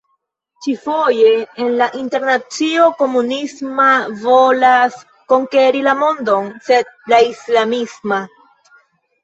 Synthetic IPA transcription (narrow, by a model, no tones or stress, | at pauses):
t͡ʃifo̞je̞ːnlaʔinte̞ɾnat͡sio̞ko̞munismavo̞las | ko̞ŋke̞ɾilamo̞ndo̞nse̞d̚laislamisma